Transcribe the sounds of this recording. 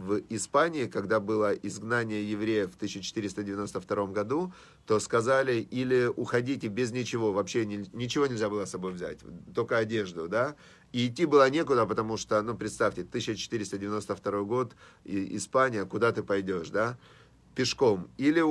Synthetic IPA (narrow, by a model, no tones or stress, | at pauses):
vɪspanʲɪɪkɐɡd̪abɨlˠəʔɪzɡnanʲɪjəjɪvɾʲejəft̪ɨɕːɪt͡ɕɪ̥t̪ɨɾʲɪst̪ədʲɪvʲɪno̞st̪əft̪ɐɾo̞mɡɐd̪u | t̪o̞skɐzalʲɪilʲɪʊxɐdʲitʲɪbʲɪznʲɪt͡ɕɪvo̞vɐpɕːenʲɪnʲɪt͡ɕɪvoɪlʲzʲabɨlˠəsɐbo̞jvzʲæ̰tʲt̪olʲkəɐdʲe̞ʐd̪ʊd̪a | iːtʲːibɨlˠənʲe̞kʊd̪əpət̪ɐmuʂt̪onupɾʲɪt̪st̪afʲtʲɪt̪ɨɕːət͡ɕɪ̥t̪ɨɾʲɪst̪ədʲɪvʲɪno̞st̪əft̪ɐɾo̞jɡo̞t̪ɪɪ̰spanʲɪjəkʊd̪at̪ɨpɐjdʲo̞ʂd̪a | pʲɪʂko̞milʲɪ